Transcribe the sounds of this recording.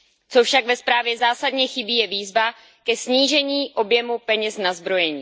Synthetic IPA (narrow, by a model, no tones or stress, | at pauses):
t͡sofʃaɡvɛspɾaːvjɛzaːsadɲɛxɪbiːjɛviːzva | kɛsɲiːʒɛɲiːʔo̞bjɛmupɛɲɛsnazbɾo̞jɛɲiː